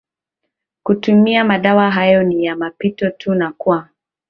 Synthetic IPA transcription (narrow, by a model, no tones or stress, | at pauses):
kutumiamaɗawaɦajɔnijamapitɔtʰunakua